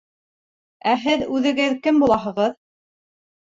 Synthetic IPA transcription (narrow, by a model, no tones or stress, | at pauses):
æɦɘðʉðɘ̆ɡɘðkɘmbulˠɑɦɤ̆ʁɤð